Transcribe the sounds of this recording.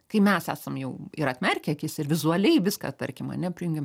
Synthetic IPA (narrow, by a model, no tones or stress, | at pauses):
kɐɪmʲɛsæːsɐmjɛʊɪɾɐt̪ʲmʲɛrʲkʲɛkʲɪsɪrʋʲɪzuɐlʲɛɪʋʲɪskɑ̰ːt̪ɐrʲkʲɪmɐ̰nʲɛpʲɪjuŋʲɡʲɪm